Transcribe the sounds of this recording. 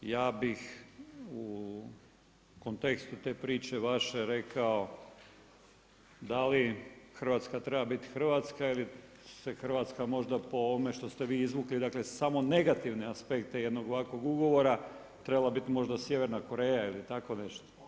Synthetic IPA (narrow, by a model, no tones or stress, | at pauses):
jaːbix | u | ko̞nt̪e̞kst̪ut̪e̞ːpɾiːt͡ʃe̞ʋaʃeɾe̞kao̞ | d̪alixər̩ʋaːt̪skat̪ɾe̞babit̪i̥xr̩ʋat̪skaili | sexrʋaːt̪skamo̞ʒd̪apo̞oʋome̞ʃt̪o̞st̪eʋiːizʋuklid̪aklesamo̞ne̞ɡat̪iʋneaspe̞kt̪ejed̪no̞ɡoʋakʋo̞ɡuɡo̞ʋo̞ɾa | t̪ɾebalabit̪imo̞ʒd̪asje̞ʋeɾnako̞ɾeːjailit̪ako̞ne̞ʃt̪o̥